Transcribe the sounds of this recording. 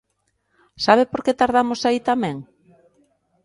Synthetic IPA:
saβ̞epoɾket̪aɾðamosait̪amɛ̃ŋ

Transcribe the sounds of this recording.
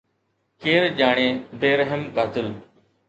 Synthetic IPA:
keːɾʄaːɳ̃eːbeːɾəɦəmkaːt̪ɪl

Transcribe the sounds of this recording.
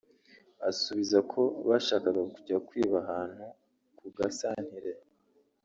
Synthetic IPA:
asuβizakʰo̞βaʃaːkaɡakuɟiakwiːβaɦaːn̥hu | kuɡasaːn̥hiɾe̞

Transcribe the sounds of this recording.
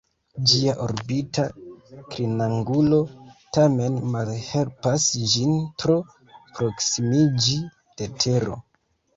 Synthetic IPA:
d͡ʒiaʔoɾbitakɾinaŋɡulo̞tame̞nmalhe̞lpasd͡ʒintɾo̞ | pɾo̞ksimid͡ʒi | d̥etʰe̞ɾo̞̰

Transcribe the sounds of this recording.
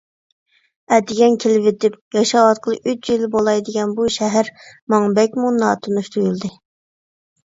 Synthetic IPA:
ɛd̪ɪɡʲɛnkʲʰelɪvet̪ɪp̚jɑʃɑɑt̪̚qʰəlˠɨʔyt͡ʃjilbolˠɑjd̪ɪɡʲɛnbuʃɛɦæɾmɑŋbɛk̚ʲmunɑ̰ːt̪ʰunuʃt̪ʰujulˠd̪ɨ

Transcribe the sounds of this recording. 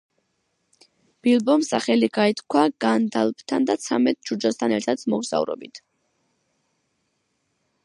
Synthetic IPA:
b̥ilˠbɔmsaχɛliɡait̪ʰkʰwaɡand̪alˠp̚ʰt̪ʰand̪at̪sʰamɛt̪̚d͡ʒud͡ʒast̪ʰanɛɾt̪ʰad̪smɔɡz̥a̰vɾɔ̰bit̪ʰ

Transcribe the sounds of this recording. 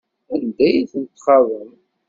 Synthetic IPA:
ænd̪æjiθənt̪ːχɑðˤəm

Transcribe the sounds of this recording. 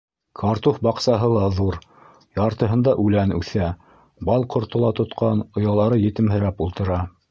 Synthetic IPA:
kʰɑɾt̪ufbɑqsɑɦɤlˠɑðuɾ | jɑɾt̪ɤ̆ɦɤ̆nd̪ɑʔʉlænʉθæ | bɑlˠqŏɾt̪ŏlˠɑt̪ŏt̪qʰɑnŏjɑlˠɑɾɤjɘ̆t̪ɘ̆mɦɘ̆ɾæpulˠt̪ɤ̆ɾɑ

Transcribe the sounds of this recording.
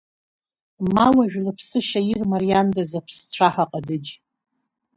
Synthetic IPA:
mawaʒᶣlɨpʰsɨʃajirmarijandazapʰst͡ɕʷʰaħaqʼadɨd͡ʒ

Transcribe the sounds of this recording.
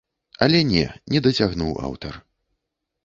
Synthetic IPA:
ɐlʲɛnʲɛ̰nʲɛd̪ɐt͡sʲaɣnuwa̰wt̪ɐr

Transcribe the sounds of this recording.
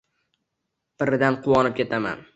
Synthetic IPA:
b̥ɪɾɪd̪anqʰʊwɒnɪp̚kʲʰe̞t̪ʰama̰n

